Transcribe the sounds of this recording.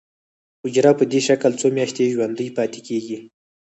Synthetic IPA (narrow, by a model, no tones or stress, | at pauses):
ʊd͡ʒɾɑpəd̪eʃaklt͡somjaʃt̪eʒwand̪əjpɑt̪e̥keɡi